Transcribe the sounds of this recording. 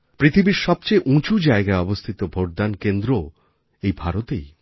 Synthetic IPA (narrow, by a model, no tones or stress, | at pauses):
pɾit̪ʰibiɾʃɔb̚t͡ɕejʔũt͡ɕud͡ʑaeɡaeɔbost̪ʰit̪obʱoɾ̚d̪ankend̪ɾo | ejbʱaɾot̪ej